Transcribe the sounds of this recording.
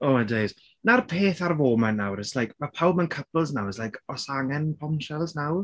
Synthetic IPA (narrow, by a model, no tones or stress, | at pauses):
oːmajdejz̥ | narpʰeːθarvoːmɛnːawɾɪslajkmapʰawb̚mənkʰəpəlˠznawɛslajkʰɔsaŋɛnpʰɔmʃɛlˠznaw